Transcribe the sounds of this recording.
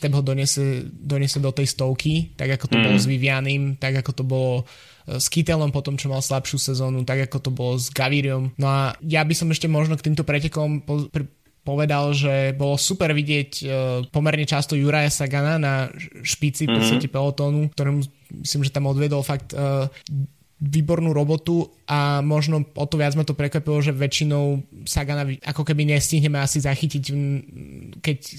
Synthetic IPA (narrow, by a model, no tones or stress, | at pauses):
t̪ɛbɦɔd̪ɔɲɛsɛd̪ɔɲɪɛsɛd̪ɔt̪ɛjst̪ɔʊkit̪a̰ɡakɔt̪ɔbɔlɔzʋiʋianiːmt̪aɡakɔt̪ɔbɔlɔ | skit̪ɛlɔmpɔt̪ɔmt͡ʃɔmalslapʃɪjusɛzɔːnut̪aɡakɔt̪ɔbɔlɔzɡaʋiɾiɔmnɔajabisɔmɛʃcɛmɔʒnɔkt̪iːmt̪ɔpɾɛcɛkɔmpp | pɔʋɛd̪alʒɛbɔlɔsupɛɾʋiɟɪɛcpɔmɛɾɲɛt͡ʃast̪ɔjuɾajasaɡananaʃpit͡sifpɔt͡st̪acɛpɛlɔt̪ɔːnukt̪ɔɾɛmu | mḭslimʒɛt̪amɔd̪ʋɪɛd̪ɔlfak̚t̪ː | ʋiːbɔɾnuɾɔbɔt̪u | ʔamɔʒnɔʔɔt̪ɔʋɪad͡zmat̪ɔpɾɛkʋapilɔʒɛʋɛt͡ʃinɔʊsaɡanaʋia̰kɔkɛbiɲɛsciɦɲɛmɛasizaxicic | kɛc